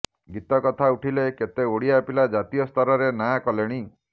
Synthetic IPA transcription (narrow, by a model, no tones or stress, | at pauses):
ɡit̪ɔkɔt̪ʰauʈʰileket̪eoɽijapilad͡ʒat̪ijɔst̪ɔɾɔɾenakɔleɽ̃i